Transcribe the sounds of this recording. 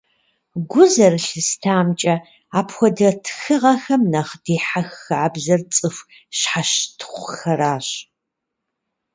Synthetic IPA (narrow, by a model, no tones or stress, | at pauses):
ɡʷʊzɐrɨɬɨstʰaːmt͡ʃʼɐ | aːpʰxʷɔdɐtʰxɨʁɐxɐmnɐχd̥eːħaxːaːbzɐrt͡sʼɨfʷ | ɕħaʃtʰχʷxɐɾaːɕ